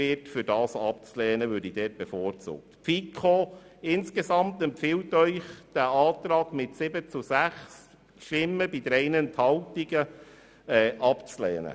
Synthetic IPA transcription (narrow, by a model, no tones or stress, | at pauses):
ɪtfʏɾdɑːsɑp̚t͡slɛːnəʋøːɾdid̥ɛːt̚b̥efoːrt͡sṵːk̚t̪pfikʰχoːɪnskesɑmt̪ɛmpfɪltœʏχd̥æɑːt̪ɾɑːɡ̥mɪtsɪbət͡susæχs | ʃtɪmːəbidəɾɛɪnənt̪hɑltiɡə | ɛːʔɑpt͡slɛ̰ːnə̰